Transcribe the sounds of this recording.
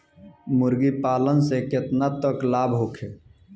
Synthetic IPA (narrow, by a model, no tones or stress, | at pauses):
mʊɾɡipaːlənsekɪt̪nat̪əklaːbɦokʰeː